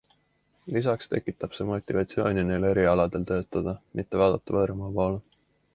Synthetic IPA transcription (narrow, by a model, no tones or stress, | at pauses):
lis̬ɑkst̪e̞̰kːˑit̪ːˑɑb̥se̞ːmo̞t̪ːˑivɑt̪sio̞̰ːnʲineːle̞ɾiɑlɑd̪̥e̞lt̪ø̞ːt̪ːˑɑd̪̥ɑmʔit̪ːe̞vɑːd̪ɑt̪ːˑɑvɤːɾmɑpo̞ːle